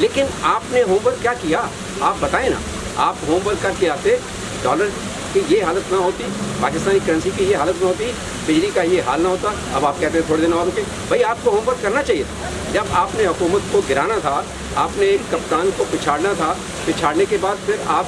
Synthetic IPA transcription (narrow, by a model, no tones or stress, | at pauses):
leːkɪnaːpneɦoːmbəd̪̚kjaːkija | aːp̚bɐt̪aːẽnã̰ː | aːpɦoːmbəlkɐɾkeaːt̪ẽ | ɖɔ̰ːləɾ | kejeɦaːlət̪naɦoːt̪ipaːkɪst̪aːnikɐɾə̃nsikijeɦaːlət̪naɦoːt̪̬i | bɪd͡ʒlikajeɦaːlnaɦoːt̪a | ɐ̰baːp̚kɛɦt̪ẽɦɛ̃t̪ʰoːɽed̪eːnɦosoke | bʱɐiaːp̚koɦoːmbəd̪̚kɐɾnat͡ʃaːɦijet̪ʰa | d͡ʒɐbaːpneɦɐkuːmət̪koɡɪɾaːnat̪ʰa | aːpnekɐpt̪aːnkopɪt͡ʃʰaːɽnat̪ʰa | pɪt͡ʃʰaːɽnekebaːd̪fʰɪɾaːp̚